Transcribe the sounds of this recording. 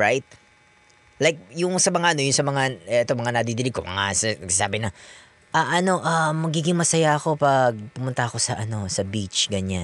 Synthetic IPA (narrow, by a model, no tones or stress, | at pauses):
ɹajt̪̚ | lajk̚jʊŋsɐmɐŋaʔɐno̞jʊŋsɐmɐŋaɛt̪o̞mɐŋanɐd̪id̪ɪlɪko̰mɐ̰ŋa̰sɐɡsasa̰ːbɪnɐ | ʔɐʔɐno̞ʔamɐɡiːɡɪŋmɐsɐjaʔɐko̞pɐɡ̚pʊmʊnt̪ɐɐko̞sɐʔɐno̞sɐbit͡ʃɡɐɲan